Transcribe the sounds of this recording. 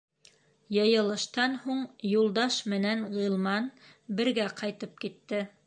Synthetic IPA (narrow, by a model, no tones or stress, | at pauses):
jɤ̆jɤ̆lˠɤ̆ʃt̪ɑnhuɴjulˠd̪ɑʃmɘ̆nænʁɤ̆lˠmɑn | bɘ̆ɾɡæqʰɑjt̪ɤp̚kit̪ːɘ